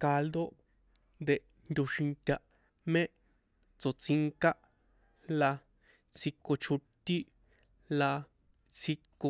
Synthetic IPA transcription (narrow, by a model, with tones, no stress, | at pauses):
ka˧ld̪o˦ | nd̪e˧ʔ | nd̪ʲu˧ʃĩ˧nt̪ʲa˧ʔ | mẽ˦ʔ | t͡so˨t͡si˧ŋka˦ʔ | la˧ | t͡sʰi˧ko˧t͡ʃʰu˧t̪i˦ | la˧ | t͡sʰi˧ko˧